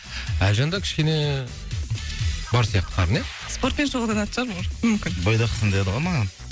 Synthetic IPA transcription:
æʒɑnd̪ɑkʲʰɪ̥ʃkʲe̞ne̞ | bɑɾsijɑq̚t̪ə̥qʰɑɾəne | spoɾt̪ʲenʒoʁˠd̪ɑnɑt̪ʒ̥ɑɾbomʏmkʲɪnbojd̪ɑqʰə̥sənd̪ɑjɑd̪əʁɑnmɑʁɑn

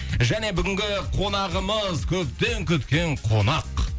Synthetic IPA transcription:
ʒæne̞bʏɡʲɪŋɡʲɪqʰo̞n̪ɑʁəməzkʲʰɵp̚t̪e̞ŋkʲʏt̪kʲe̞ɴqʰo̞nɑq

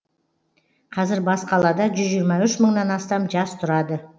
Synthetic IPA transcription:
qʰɑzɪɾbɑsqɑlˠɑd̪ɑʒʏzʒijɾmɑʏʃməɴnɑnɑst̪ɑmʒɑst̪ʰʊɾɑd̪ə

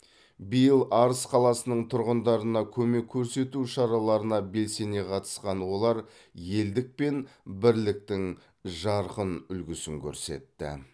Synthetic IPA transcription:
bijəlˠʔɑɾəsqʰɑlˠɑsənəɴt̪ʰʊɾʁənd̪ɑɾənɑkʲʰɵme̞kʲʰːɵɾse̞t̪uʃɑɾɑlˠɑɾənɑbe̞lse̞ne̞qʰɑt̪ə̥sqɑnwo̞lˠɑɾ | je̞ld̪ɪk̚pe̞nbɪɾlɪk̚t̪ɪŋ | ʒɑɾqənʏlɡʲɪsɪŋkʲʰɵ̰ɾse̞̰t̪ːɪ̰

